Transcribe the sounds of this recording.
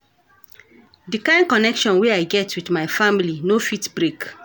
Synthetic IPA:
dikãɪ̃n̚kɔnɛkʃɔ̃nweaɪɡɛtʰwidmaɪfamilinofitbɹek

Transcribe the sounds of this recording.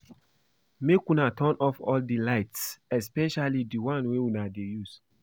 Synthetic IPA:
mekũnatʰɔ̃nɔfɔldilaɪtsɛspɛʃalidiwãnweunadejus

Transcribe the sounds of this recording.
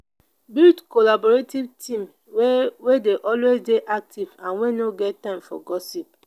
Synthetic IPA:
biltkolabɔɹetivtʰĩm | wwedeʔɔlwezdeʔak̚tʰivãnwenoɡɛttːãɪ̃mfɔ̰ɡɔsip̚

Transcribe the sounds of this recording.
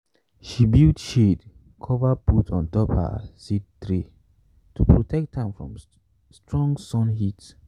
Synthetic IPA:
ʃibildʃed | kʰɔvaputʰɔ̃ntɔpha̰sittɹe | tupɹotʰɛk̚thãmfɹɔ̰̃m | stɹɔ̃ŋɡsɔ̃nhit

